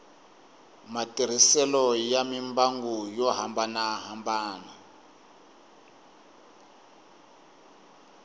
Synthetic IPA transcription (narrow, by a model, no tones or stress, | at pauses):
matʼiɾ̤isɛlɔjamimbaŋɡujɔɦambanaɦambaːna